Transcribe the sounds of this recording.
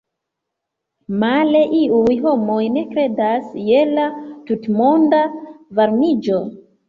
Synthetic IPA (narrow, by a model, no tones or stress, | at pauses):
male̞ʔiujɦo̞mo̞jne̞kɾe̞dasje̞latutmo̞ndavaɾmid͡ʒo̞